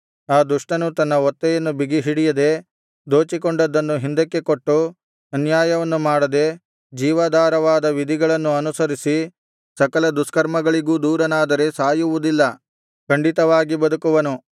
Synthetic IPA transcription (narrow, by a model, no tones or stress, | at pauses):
aːd̪uʂʈɐnut̪ɐnːɐɔt̪ːɛjɐnːubiɡiɦiɽijɐd̪e̞ | d̪o̞ːt͡ʃikoɳɖɐd̪ːɐnːuɦind̪ɐkːe̞ko̞ʈːu | ɐnjaːjɐʋɐnːumaːɽɐd̪e̞ | d͡ʒiːʋɐd̪aːɾɐʋaːd̪ɐʋid̪ʱiɡɐɭɐnːuɐnusɐɾisi | sɐkɐlɐd̪uskɐɾmɐɡɐɭiɡuːd̪uːɾɐnaːd̪ɐɾe̞saːjuʋud̪ilːɐ | kɐɳɖit̪ɐʋaːɡibɐd̪ukuʋɐnu